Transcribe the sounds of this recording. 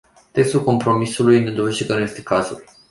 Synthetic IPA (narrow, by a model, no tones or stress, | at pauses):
t̪e̞kst̪ulko̞mpɾo̞misulujne̞d̪o̞ve̞ʒʃd̪ekənuje̞st̪e̞kazṵl